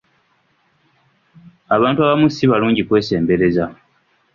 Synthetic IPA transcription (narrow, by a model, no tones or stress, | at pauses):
aβaːntuaːβamusiβaluːɲɟikwe̞ːse̞ːmbe̞ɾe̞za